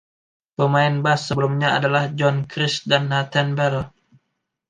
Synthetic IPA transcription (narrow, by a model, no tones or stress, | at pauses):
pəmaɪnbasːəbəlumɲaa̰dalahd͡ʒɔnkɾɪsdanːat̪anbɛɾɔ